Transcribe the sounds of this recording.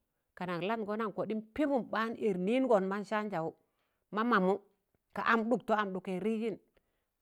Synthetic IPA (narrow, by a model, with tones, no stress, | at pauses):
ka˨na˨kla˦nɡo˦na˦nko˨di˦npi˦bu˦mɓa˦ni˨ɾni˦n˦ɡo˨nma˦nʃa˦nd͡ʒa˨wu˦ | ma˦ma˨mu˦ | ka̰˨ʔa˨mɗu˨k̚to˦a˨mɗu˨ke˨ɾi˦d͡ʒi˦n